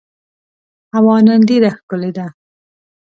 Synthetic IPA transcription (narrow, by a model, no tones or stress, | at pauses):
hawɑːnand̪iɾaxkʊled̪a